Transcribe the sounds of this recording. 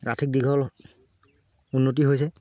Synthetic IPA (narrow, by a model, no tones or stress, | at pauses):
ɹatʰik̚dikʰɔl | unːot̬iɦojs̬ɛ